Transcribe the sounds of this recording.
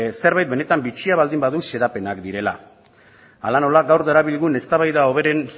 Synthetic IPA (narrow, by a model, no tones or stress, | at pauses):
se̞ɾβajt̪̚be̞ne̞t̪ambit͡ʃiaβald̪imbaðuse̞ɾape̞nakd̪iɾe̞la | alano̞laɡawɾd̪eɾaβilɣune̞st̪aβajðao̞β̞e̞ɾe̞n